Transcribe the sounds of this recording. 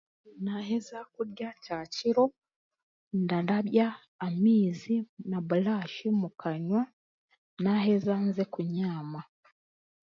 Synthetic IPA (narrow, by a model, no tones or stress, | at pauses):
naɦezakuɾjacaːciɾo̞ | ndadaβjaː | miːzinaβulaːʃimukaɲwa | nahezanzekuɲaːma